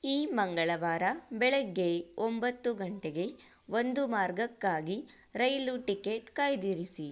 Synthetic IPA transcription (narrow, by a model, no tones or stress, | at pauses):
iːmɐŋɡɐɭɐʋaːɾɐbɛɭɛɡːeombɐt̪ːuɡɐɳʈeɡe̞ | ond̪umaːɾɡɐkːaːɡi | ɾɐjluʈikeːʈkaːjd̪iːɾisi